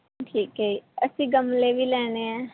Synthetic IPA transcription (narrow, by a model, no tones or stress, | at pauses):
ʈʰiːkɦeiːəsĩːɡəmleʋiːlɛːñeːãː